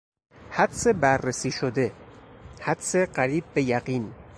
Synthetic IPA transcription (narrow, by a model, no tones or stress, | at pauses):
hæd̪sebæɾːesiːʃod̪e̞ | hæd̪seɢæɾiːb̚ːe̞jæɢiːn